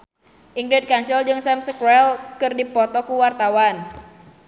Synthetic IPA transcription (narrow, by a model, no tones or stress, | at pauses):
ʔiŋɡɾid̪̚kansild͡ʒɨŋsɛmsəkɾɛlkɨrdipɔt̪ɔkuwart̪awan